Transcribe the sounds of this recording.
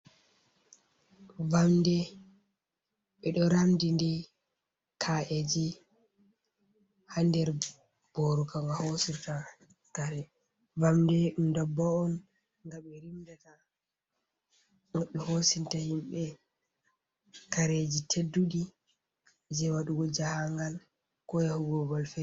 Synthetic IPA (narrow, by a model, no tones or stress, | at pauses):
vamdɛ | ɓɛɗɔɾamdindɛ | kʰaʔed͡ʒi | handɛɾ | b̥oɾukaŋɡahosita | kaɾɛ | vamdɛɗumdɔbːaɔn | ŋɡaɓɛɾimdata | ŋɡaɓɛhosintahimɓɛ | kaɾed͡ʒitʰedːuɗi | d͡ʒɛwaɗuɡɔd͡ʒahaŋɡal | kɔjahuɡɔbɔlfɛ